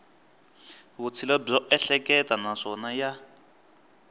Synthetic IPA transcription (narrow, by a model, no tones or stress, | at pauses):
βut͡sʰilɔb͡ʐɔʔɛɬɛkɛtanaʂɔnaja